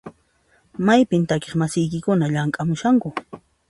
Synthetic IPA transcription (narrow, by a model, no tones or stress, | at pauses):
majpɪnt̪akeχmasɪjkɪkʊnaʎaŋkʼamʊʃaŋkʊ